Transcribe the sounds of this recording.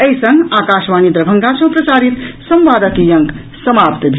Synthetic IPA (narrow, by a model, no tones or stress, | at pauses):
əisə̃ŋɡakaʃʋanid̪ɾəbʱəŋɡasə̃ɦpɾəsaɾit̪səmʋaːd̪əkijə̃ŋk | səmapt̪bʱi